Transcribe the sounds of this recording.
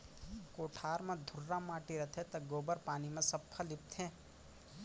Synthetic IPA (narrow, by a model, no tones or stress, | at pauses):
koːʈʰaːɾmẽd̪ʱʊɾːamaːʈiɾɐt̪ʰet̪ɐɡoːbəɾpaːnimẽsɐpʰːəlɪp̚t̪ʰẽː